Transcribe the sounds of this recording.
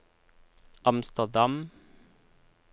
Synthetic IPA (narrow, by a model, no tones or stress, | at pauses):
ʔɑmst̪əd̪ɑm